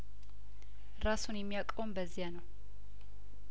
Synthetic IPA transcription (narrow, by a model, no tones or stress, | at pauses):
ɾasunjɛmːijakʼombəzːijanəw